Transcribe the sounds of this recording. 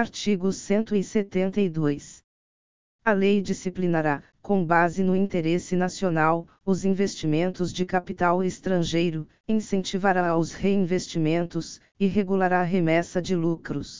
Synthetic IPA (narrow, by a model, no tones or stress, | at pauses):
aɾt͡ʃiɡʊsẽnt̪ʊɪset̪ẽnt̪ɐid̪ojs | ɐlejd͡ʒisiplinaɾa | kõbazɪnʊĩnt̪eɾesɪnasionaw | ʊzĩvest͡ʃimẽnt̪ʊzd͡ʒɪkapit̪awest̪ɾɐ̃ʒejɾʊ | ĩsẽnt͡ʃivaɾaʊsheĩvest͡ʃimẽnt̪ʊs | ɪɦeɡulaɾaːɦemɛsɐd͡ʒɪlukɾʊs